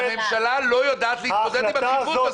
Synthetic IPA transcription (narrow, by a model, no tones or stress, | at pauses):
memʃalalo̞jod̪aːt̪leit̪od̪ɛd̪imaivuva